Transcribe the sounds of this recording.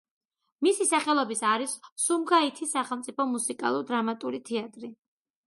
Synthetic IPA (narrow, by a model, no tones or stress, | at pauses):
misisaχɛlˠɔbisaɾisːumɡait̪ʰisːaχɛlˠmt̪sʼipʰɔmusikʼa̰lˠuɾd̪ɾamat̪ʼuɾit̪ʰɛat̪ʼɾi